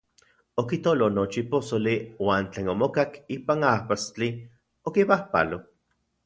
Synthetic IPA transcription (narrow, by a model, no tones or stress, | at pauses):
okit̪olonot͡ʃiposoliwaːnt͡ɬeːnomokakiːpanapast͡ɬi | okipahpa̰lo